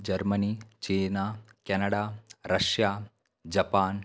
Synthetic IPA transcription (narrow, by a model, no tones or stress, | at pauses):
d͡ʒɐɾməniːt͡ʃeːnaːkɛnɐɽaːɾɐʃjaː | d͡ʒɐpaːn